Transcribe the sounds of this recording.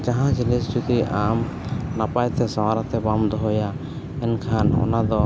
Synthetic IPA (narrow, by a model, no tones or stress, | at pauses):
d͡ʒaɦãd͡ʒilist͡ʃut̪iam | napajt̪ʰɛsɔwaɾat̪ɛbamd̪ɔɦɔja | ɛnkʰanɔ̰nad̪ɔ